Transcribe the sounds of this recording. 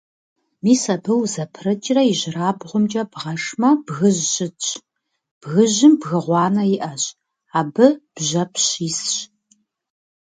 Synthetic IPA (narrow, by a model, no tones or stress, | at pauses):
miːsɐbɨwzɐpʰrɐt͡ʃʼɪrɐiʑɪraːbʁʷʊmt͡ʃʼɐbʁɐʂmɐbɣɨʑɕʼɪt͡ʃʰʼ | b̥ɣɨʑɪmbɣɨʁʷɑːnɐjɪʔɐɕ | aːbɨb̥ʑɐpʰɕisɕ